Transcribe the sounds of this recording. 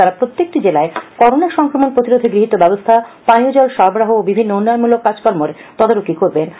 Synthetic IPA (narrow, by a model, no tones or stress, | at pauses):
aɾapɾot̪ːjek̚ʈid͡ʑelaekɔɾonaɾʃɔŋkɾomonpɾot̪iɾod̪ʱeɡɾiɦit̪ːobɛbost̪ʰapaniud͡ʑɔlʃɔɾbɾaɦoːbibʱinːoonaɾmulokːad͡ʑkɔɾmoɾt̪ɔd̪oɾokikoɾben